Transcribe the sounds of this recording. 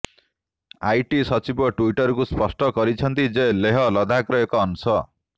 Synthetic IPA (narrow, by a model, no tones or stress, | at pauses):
ajʈisʌt͡sibɔʈuiʈʌɾkuspʌsʈʌɡʌɾit͡sʰʌnt̪id͡zeleɦʌlʌd̪ʱakɾɔekɔːnusʌ